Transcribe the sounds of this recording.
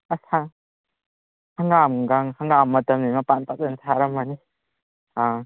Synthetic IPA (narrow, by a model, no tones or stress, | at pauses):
asʰa | haŋamɡaŋhaŋamːɐtɐmnimapanpak̚dɯntʰaɾɐmːani | a